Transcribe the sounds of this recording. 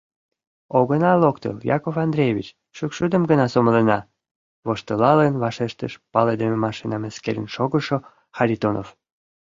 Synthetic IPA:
oɣənɑlokt̪ə̰ljɑ̰kofɑnd̪ɾʲejvʲḭt͡ɕ | ʃykʃud̪əmɡənɑsoməlenɑ | βoʃt̪əlɑlenβɑʃeʃt̪ə̰ʃpɑled̪ememɑʃinɑmeskḛɾə̰nʃoɣəʃo | xɑɾʲit̪onof

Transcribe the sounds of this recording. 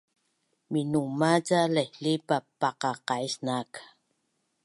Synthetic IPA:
minumaɟalahlipapaqɑqaisnak

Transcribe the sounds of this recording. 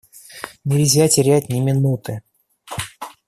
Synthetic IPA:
nʲɪlʲzʲatʲɪɾʲæt̚ʲnʲɪmʲɪnut̪ɨ

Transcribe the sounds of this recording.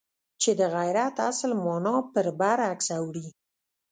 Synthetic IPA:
t͡ʃed̪əɣajɾat̪a̰slmɑnɑpəɾbaɾaksawɽi

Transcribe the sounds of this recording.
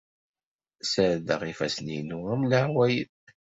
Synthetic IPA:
səɾðəʁifæ̰sninʊæmləʕwæjəð

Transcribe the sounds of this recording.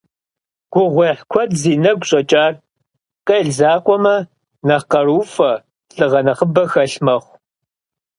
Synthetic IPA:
ɡ̥ʷʊʁʷeːħkʷʰɔdziːnɐɡʷɕʼɐt͡ʃʼaːr | qeɮzaːqʷʼɔmɐ | nɐqɐɾuːfɐ | ɬʼɨʁɐnɐχəbɐxɐɬmɐχʷ

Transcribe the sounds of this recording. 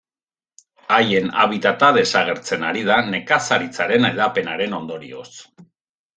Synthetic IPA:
aje̞na̰βit̪at̪aðe̞saɣe̞ɾt͡se̞naɾið̞ane̞kasaɾit͡saɾe̞neðape̞naɾe̞no̞nd̪o̞ɾḭo̞̰s

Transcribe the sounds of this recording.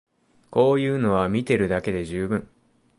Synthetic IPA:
ko̞ːjɯ̟ːno̞β̞amʲit̪e̞ɾɯ̟d̪ake̞d̪e̞ʑɨːbɯ̟̃ŋ

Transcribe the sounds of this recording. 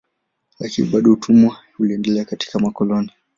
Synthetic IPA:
lakiniɓaɗɔutʰumwa | uliɛndɛlɛakati̥kamakɔlɔni

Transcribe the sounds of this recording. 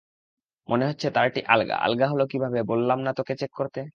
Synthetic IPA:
mʔoneɦotːɕʰet̪aɾʈiʔa̰lɡa̰ʔa̰lɡaɦolokibʱabebolːamnat̪oket͡ɕekːoɾt̪e

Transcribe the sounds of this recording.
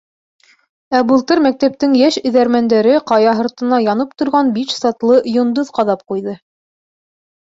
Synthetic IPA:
æbɤ̆lˠt̪ɤɾmæk̚t̪æp̚t̪ɘŋjæʃɵ̆ðæɾmænd̪æɾɘqɑjɑɦɤ̆ɾt̪ɤ̆nɑjɑnɤp̚t̪ŏɾʁɑnbiʃsɑt̪lˠɤjŏnd̪oðqɑðɑp̚qujðɤ

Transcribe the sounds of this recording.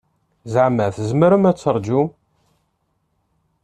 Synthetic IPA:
zʕməθəzməɾəmæt͡sːəɾˤd͡ʒum

